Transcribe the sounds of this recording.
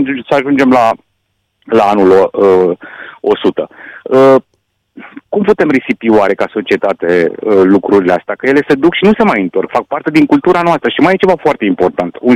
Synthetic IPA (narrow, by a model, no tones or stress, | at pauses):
səaʒund͡ʒe̞mla | laanulə | o̞sut̪əə | kumput̪e̞mresipioaɾe̞kaso̞t͡ʃie̞t̪at̪e̞əlukɾuɾileast̪eakəjele̞sed̪ukʃinusemajɨnt̪o̞rkfak̚part̪e̞d̪iŋkult̪uɾanoast̪ɾəʃimajet͡ʃe̞vafoart̪e̞impo̞rt̪ant̪un